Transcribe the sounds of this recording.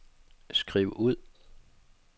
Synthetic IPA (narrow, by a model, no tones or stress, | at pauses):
sɡ̥ʁiːʊʔuð̞̰ˠ